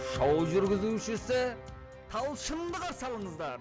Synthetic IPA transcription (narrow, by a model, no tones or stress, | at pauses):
ʃɑwʒʏɾɡʲɪzuʃɪsɪ | t̪ʰɑlˠʃəmd̪əʁɑsɑlˠəɴəzd̪ɑɾ